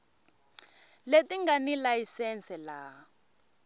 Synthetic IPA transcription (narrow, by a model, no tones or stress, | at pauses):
letiŋɡanilaisɛnt͡sɛla